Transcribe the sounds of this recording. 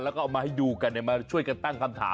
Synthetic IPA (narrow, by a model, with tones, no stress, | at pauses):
lɛ˦˥kɔː˥˧ʔ̚maː˧ha˥˩jduː˧ka˧na˨˩jmaː˧t͡ɕʰu˥˩əjka˧nt̪a˥˩ŋkʰa˧mt̪ʰa̰ː˦